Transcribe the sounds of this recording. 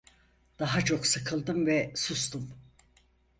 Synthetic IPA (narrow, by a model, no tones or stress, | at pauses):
d̪̥aɦat͡ʃʰo̞ksɯkʰɯlˠd̪ɯmvɛsust̪um